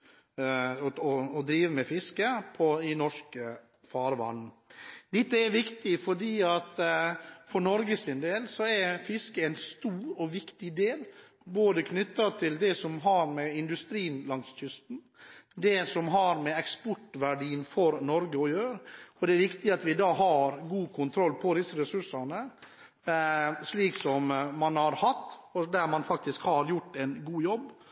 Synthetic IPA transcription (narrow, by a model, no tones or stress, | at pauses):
ɔɔd̪ɾiːʋəmɛfɪskəpʰɔɪnɔʂkə | fɑːɾʋɑ̰nn̩ | d̪ɛt̪ːəɛɾʋɪkt̪ɪfɔɖiːɑt̪ | fɔɳɔɾɡəsɪnd̪eːlsɔɛɾfɪskəæɪnst̪uːɾɔʋɪkt̪ɪd̪eːl | boːd̪əkʰnʏt̪ːɑt̪ʰɪld̪ɛsɔmɦɑɾmɛɪnd̪ʉst̪ɾiːnlɑŋsc͡çʏst̪n̩ | d̪ɛsɔmɦɑɾmɛɛkspɔʈːʋæɖiːənfɔɾnɔɾɡəɔjøːɾəɔd̪ɛæɾʋɪkt̪ɪɑt̪ʋɪd̪ɑːɦɑɾɡuːkʰʊnt̪ʰɾɔlːpʰɔd̪ɪsəɾɛsʉʂɑnə | ʂliːksɔmːɑnhɑɾhɑt̪ːɔd̪æɾmɑnfɑk̚t̪ɪskhɑɾjʊʈːɛnɡuːjɔbː